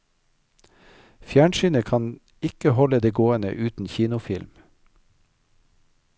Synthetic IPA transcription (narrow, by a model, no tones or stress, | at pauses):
fjæːɳʃyːnəkʰɑn | ɪkəhɔləd̪eːɡoːənə̰ʔʉːt̪n̩çiːnʊfɪlm